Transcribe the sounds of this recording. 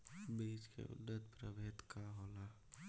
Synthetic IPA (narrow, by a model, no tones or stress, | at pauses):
beːd͡ʒkḛʔʊ̰d̪ːət̪pɾəbʱeːt̪kaɦoːla